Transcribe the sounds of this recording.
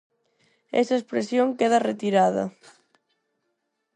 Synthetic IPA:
ḛsɐespɾesjoŋkeðɐret̪iɾaðɐ̰

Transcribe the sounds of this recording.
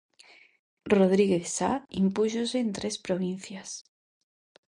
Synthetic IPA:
roð̞ɾiɣesa̰impuʃoseːnt̪ɾe̞spɾoβ̞in̟θjas

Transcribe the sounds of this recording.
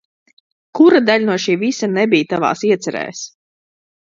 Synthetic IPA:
kuɾad̪aʎʲnuɔʃiːvisanɛbijt̪ava̰ːsiɛt̪sɛɾɛ̰ːjs

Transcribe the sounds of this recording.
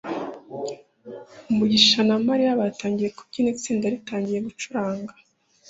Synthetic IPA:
umuɟiʃanamaɾijaβaːtaːɲɟije̞kub̚ɟinit͡siːndaɾitaːɲɟije̞ɡut͡ʃuɾaːŋɡḁ

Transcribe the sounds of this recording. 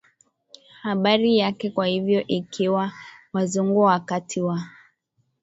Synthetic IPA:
haɓaɾijakɛkwahivjɔʔikʰiwawazuŋɡuakatʰiwa

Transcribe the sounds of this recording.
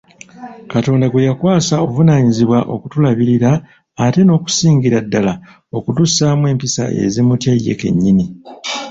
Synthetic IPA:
kato̞ːndaɡwejakwaːsaovunaːɲiziβwaʔo̞̰kutulaβiɾiɾaː | te̞no̞ːku̥siːŋɟiɾadːala | o̞kutusaːmwe̞ːmpisa̰ʔḛzimutjajːe̞̰ke̞̰ɲːini

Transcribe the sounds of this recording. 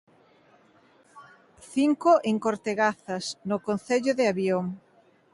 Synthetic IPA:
θiŋkoʔeŋkoɾt̪eɣaθɐsnokonθeʎoðeaβjoŋ

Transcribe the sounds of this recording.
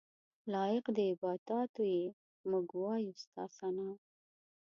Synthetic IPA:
lɑjɪqd̪əɪbɑd̪ɑt̪oje | mʊɡwɑjust̪ɑ̰sanɑ

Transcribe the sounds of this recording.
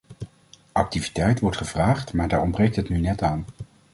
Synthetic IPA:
ʔɑk̚tivitɛjtʋɔɹtχəvraːχtmaːɹdaːɹɔmbrejk̚tɦətnynɛtaːn

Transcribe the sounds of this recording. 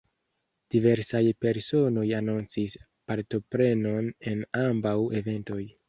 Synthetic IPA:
d̥ive̞ɾsajpe̞ɾso̞no̞janunt͡sis | paɾto̞pɾe̞no̞ne̞nambawe̞ve̞nto̞j

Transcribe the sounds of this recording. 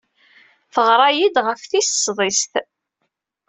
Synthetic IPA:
fəʁɾˤɑjid̪ʁəfθissðˤisθ

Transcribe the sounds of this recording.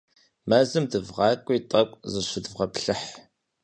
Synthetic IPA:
maːzɨmdɨvʁɑːkʷʼiːtʼɐkʷʼzɨɕʷɪdvʁɐpɬɨħ

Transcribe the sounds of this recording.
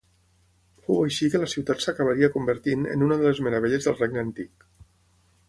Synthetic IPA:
fowəjʃikələsiwt̪at̪səkəβ̞əɾiəkumbəɾt̪inə̰nunəðəlezməɾəβeʎəzðəlˠreɡ̚nənt̪ik

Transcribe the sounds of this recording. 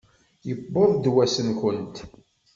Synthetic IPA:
jəbːoðˤd̪wæsənkʊnt̪

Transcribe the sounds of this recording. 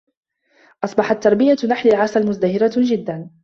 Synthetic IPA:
ʔɑsˤbɑħat̪ːɑɾˤbɪjanaħlalʕasalmʊzd̪ahɪɾad͡ʒɪd̪ːan

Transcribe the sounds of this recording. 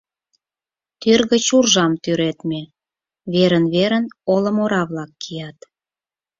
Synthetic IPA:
t̪yrɣə̆t͡ɕurʒɑmt̪yɾet̪me | βeɾənβeɾənolə̆moɾɑβlɑkːijɑt̪

